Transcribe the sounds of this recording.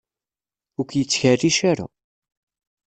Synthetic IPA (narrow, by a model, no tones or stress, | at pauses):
ʊkjət͡sːçəriʃaɾa̰